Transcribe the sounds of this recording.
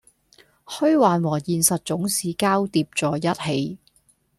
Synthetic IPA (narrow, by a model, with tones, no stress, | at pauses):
hɵ˥ɥwaː˨nwɔː˨˩jiː˨˧nsɐ˨t̚t͡sʊ˨˥ŋsiː˨˧kaː˥wt̪iː˧p̚t͡sɔː˨jɐ˥t̚he˨˧j